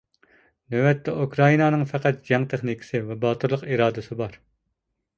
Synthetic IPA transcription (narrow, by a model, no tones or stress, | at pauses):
nøwɛt̪ːɛukʰɾɑinɑːnɨŋfɛqæt̪̚d͡ʒɛŋt̪ʰeχnikʲʰɪ̥sɪvɛbɑːt̪ʰuɾlˠəqiɾɑːd̪ɨsɨbɑɾ